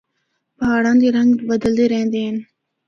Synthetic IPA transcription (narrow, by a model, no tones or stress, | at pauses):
pɦaːɽãːnd̪eːɾəŋɡbəd̪əld̪eːɾeɦẽnd̪eːɦən